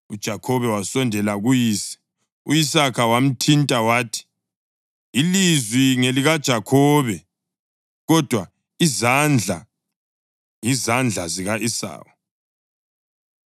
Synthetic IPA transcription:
ṵd̥ʒ̥ʱakʰɔβɛwasɔndʱɛlaɣujiːsɛ̥ | ujisakʰawam̩tʰintʼawaːtʰi̥ | lizwiŋeliɣad̥ʒ̥ʱakʰɔːβɛ | ɣɔd̥ʱwa | izand͡ɮʱa̰ | ŋizand͡ɮʱaziɣaʔisa̰ːwɔ

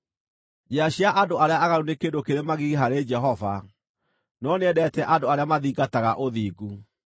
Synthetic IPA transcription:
d͡ʒeaɕiaʔadoaɾeaaɣaɾunekendokeɾemaɣiɣeɦaɾed͡ʒɛɦɔva̰ | nɔneɛdɛtɛʔadoaɾeamaðiːɡataɣaʔoðiːɡu

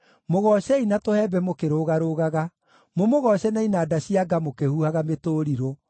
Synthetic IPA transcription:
moɣɔɕɛinatohɛːbɛmokeɾoɣaɾoɣaɣa | momoɣɔɕɛnainaːdaɕiaɡamokehuhaɣametoːɾiɾo

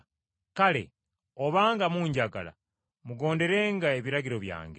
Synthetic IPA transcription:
kale̞̰ | oβaːŋɡamuːɲɟaɡa̰la̰ | muɡo̞ːnde̞ɾe̞ːŋɡaeβiɾaɡiɾo̞βja̰ːŋɡe

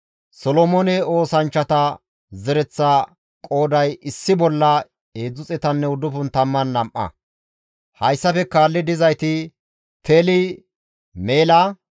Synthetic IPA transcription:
sɔlɔmɔnɛo̞ːsɐnt͡ʃːɐt̪ɐ | zɛɾɛt͡sːa | kʼo̞ːd̪ɐjʔɪsːɪbɔlːɐ | e̞ːd͡zʊt͡sʼɛt̪ɐnːɛʊd̪ʊpʊnt̪ɐmːɐnːɐmʔɐ̰ | hɐjsːɐfɛkaːlːɪd̪ɪzɐjt̪ɪ | t̪ʰelɪ | meːlaː

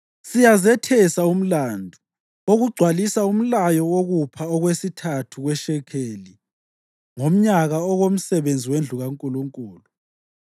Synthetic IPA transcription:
sijazɛtʰɛsaum̩landʱu | oɣuɡ͡ǀʱwalisaum̩lajɔwoɣupʰaɔɣwesitʰatʰuɣwɛʃɛkʰeːli | ŋom̩ɲaɣaɔɣom̩sɛβend͡zʱiwend͡ɮʱuɣaŋkʼuluŋkʼuːlu

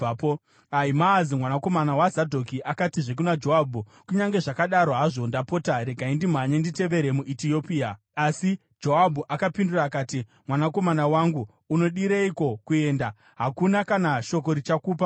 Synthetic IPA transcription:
aimaːzimwanako̞manawazadʱo̞kiʔakatiʐe̞k̬unad͡ʒo̞ɦabʱu | kuɲaŋɡe̞ʐakaɗaɾo̞ɦaʐondapo̞taɾe̞ɡʱaindimaɲendite̞ʋe̞ɾemuʔitiopia | asi | d͡ʒo̞ɦabʱuʔakapinduraːkaːtimwanako̞manawaŋɡuː | no̞ɗiɾeiko̞kue̞ːnda | ɦakunakanaʃo̞k̬o̞ɾit͡ʃakuːpa

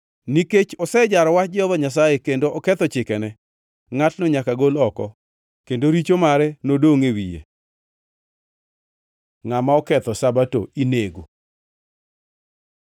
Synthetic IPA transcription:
niket͡ʃɔsɛd͡ʒaɾɔwat͡ʃd͡ʒɔðɔɲas̬ajekendoɔkɛt̪ɔt͡ʃɪkɛnɛ | ŋatnoɲakaɡolɔkɔ̰ | kendoɾit͡ʃomaɾɛnodoŋewḭjḛ | ŋamaɔkɛt̪ɔsabato̰ineɡo

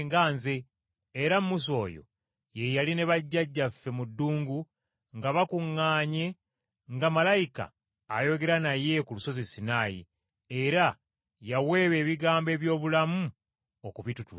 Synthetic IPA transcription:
ŋɡaːnze̞ː | ɾammus̬o̞ːjo̞̰ | je̞jaline̞βaɟːaɟːafːe̞mudːuːŋɡu | ŋɡaβakuŋːaːɲe̞ | ŋɡamalajika̰ː | jo̞ɡe̞ɾanaje̞kuluso̞zisinaːjḭ | eɾa | jawe̞ːβe̞ːβiɡaːmbe̞ːβjo̞ːβulamu | okuβitutu

